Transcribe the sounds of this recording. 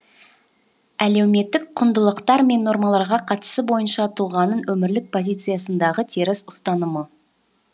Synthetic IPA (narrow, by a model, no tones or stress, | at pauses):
æle̞wme̞t̪ːɪk̚qʰʊnd̪əlˠəqt̪ɑɾme̞nːo̞ɾmɑlˠɑɾʁɑqʰɑt̪ə̥səbo̞jənʃɑt̪ʰulˠʁɑnənwɵmɪɾlɪk̚pʰo̞zijt̪sɨjasənd̪ɑʁət̪ʰeɾɪsʊ̥st̪ɑnəmə